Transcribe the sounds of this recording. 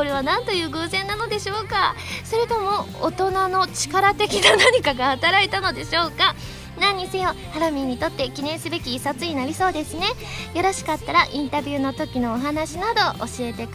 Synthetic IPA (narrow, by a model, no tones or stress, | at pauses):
ko̞ɾe̞β̞anãnt̪o̞jɯ̟ːɡɯ̟ːzẽ̞nːano̞d̪e̞ɕo̞ːka | so̞ɾe̞t̪o̞mo̞o̰t̪o̞nano̞t͡ɕi̥kaɾat̪e̞kʲinanaɲ̟ikaɡahat̪aɾait̪ano̞d̪e̞ɕo̞ːka | nãɲ̟ːisɨjo | haɾomʲiɲ̟ːit̪o̞t̪ːe̞kʲinẽ̞ɰ̃sɨbe̞kʲiːsat͡sɨɲ̟inaɾʲiso̞ːd̪e̞sɨne̞ | joɾaɕi̥kat̪ːaɾaʔĩnt̪abʲjɯːno̞t̪o̞kʲino̞ːɦanaɕinad̪o̞o̰ɕie̞t̪e̞k